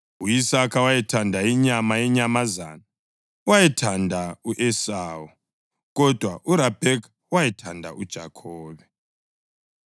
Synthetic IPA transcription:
uisakawaitʰandʱaiɲamajeɲamaza̰ːna | waitʰandʱauʔesaːu | kɔd̥ʱwaʔuɾab̥ʱek | waitʰandʱa̰ʔud̥ʒ̥ʱakʰɔːβɛ

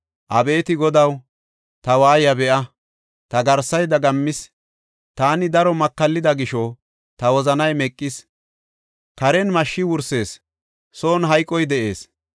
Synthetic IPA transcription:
ʔɐbe̞ːt̪ɪɡɔd̪ɐw | t̪ɐwaːjɐbɛʔɐ | t̪ɐɡɐɾsːɐjd̪ɐɡɐmːɪs | t̪aːnɪd̪ɐɾɔmɐkːɐlːɪd̪ɐɡɪʃɔ | t̪ɐwɔzɐnɐjmɛkʼːɪs | kɐɾɛnmɐʃːɪwʊɾse̞ːs | so̞ːnɦɐjkʼːɔjd̪ɛʔe̞ːs

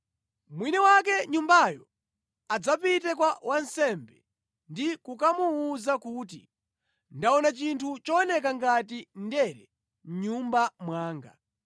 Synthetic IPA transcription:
mwinɛwakɛɲumbajɔ | ad͡zapitɛkwawʔansɛmbɛ | ndikukamuːzakut̬ḭ | ndaɔnat͡ʃintʰut͡ʃɔɔnɛkaŋɡatindɛɾɛ | m̩ɲumbamwaːŋɡa

